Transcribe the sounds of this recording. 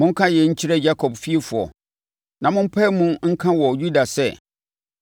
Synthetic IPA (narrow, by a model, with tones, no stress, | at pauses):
mʊ̃˦ŋ̩˦kʰã˦jɛ˨ɲ̩˦t͡ɕʰi˦ɾɛ˦d͡ʑa˦kʰɔ˨bfi˦e˦fʊ˨ɔ̰˨ | nã˨mʊ̃˦m̩˦pʰɛ˦mʊ̃˦ŋ̩˦kʰã˦wɔ˨ju˦da˨sɛ˦